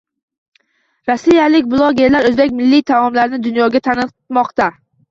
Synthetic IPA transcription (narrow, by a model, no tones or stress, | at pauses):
ɾasːijalɪkʲbʊlˠɒɡʲe̞ɾlaɾɵzbe̞kʲmɪlːit̪ʰamɒmlaɾnɪd̪ʊnjɒɡʲat̪ʰanɨ | mɒqt̪a